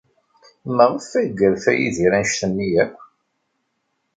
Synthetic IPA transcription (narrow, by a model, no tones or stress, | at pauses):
məʁəfæɡəɾfæjiðiɾænʃθənːijæ